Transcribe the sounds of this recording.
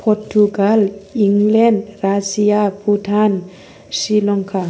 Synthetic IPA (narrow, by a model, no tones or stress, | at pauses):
pʰɔɾʈuɡaliŋleɳɖɾasijaputʰan | silɔŋkʰa